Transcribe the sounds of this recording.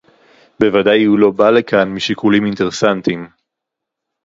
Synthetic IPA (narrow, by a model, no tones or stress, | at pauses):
bevadajhulo̞balekanmiʃikuliminteʁesantim